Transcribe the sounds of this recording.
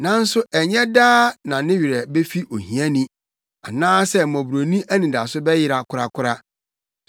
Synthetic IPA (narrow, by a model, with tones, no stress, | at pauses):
nã˦n̩˦sʊ˦ʔɛ˨ɲɛ̃˦daː˦nã˨nɪ̃˦ɥi˨ɾɛ˨be˦fi˦ʔo˨hĩ˨æ̃˦nĩ˦ | a˨nãː˦sɛ˦mɔ̃˨bu˨ɾo˨nĩ˦ʔæ˦nĩ˨da˨sʊ˦bɛ˦jɪ˦ɾa˨kʰʊ˦ɾa˦kʰʊ˦ɾa˦